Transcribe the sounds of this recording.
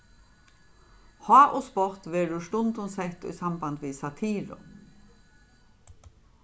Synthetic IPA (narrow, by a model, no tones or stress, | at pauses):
hɑːʔospɔt̪ʋeːɖʉːʂʈʊnt̪ʊnsɛht̪ʊ̰ḭːsɑmbɑnd̪ʋiːsat̪ʰiːlʊ̰